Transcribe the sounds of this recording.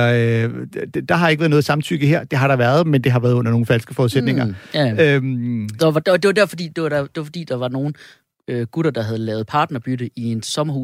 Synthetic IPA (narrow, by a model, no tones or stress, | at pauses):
ø̥ | d̥ɑ̈ɦɑe̝ɡ̥ʋæɐðˠnɔ̽ðˠsɑ̈mt͡sʰy̰ɡ̥əɦeɐd̥e̝ɦɑ̈ɾɑ̈ʋæːɐð̞̩ˠmend̥e̝ɦɑ̈ʋæːɐð̞ˠɔ̽nɐno̝ːŋn̩fælsɡ̥əfɒːuðˠsed̥ne̝ŋɐømd̥ɑdɒd̥eʋɑd̥æɐfɒ̽d̥ḭːd̥e̝ʋɑd̥ɑd̥e̝ʋɑfɒ̽d̥ḭːd̥ɑ̈ʋɑ̈no̝ːn̩ | øɡ̥uɾ̥ɐd̥ɑ̈ɦæð̞̩ˠlɛ̰ːʊð̩ˠpʰɑ̈ːd̥nɐb̥yɾ̥əʔie̝nsɒ̽mɐhu